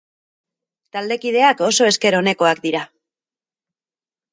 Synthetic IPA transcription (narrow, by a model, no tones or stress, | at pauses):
t̪ald̪e̞kiðe̞ako̞so̞e̞ske̞ɾo̞ne̞ko̞akd̪iɾa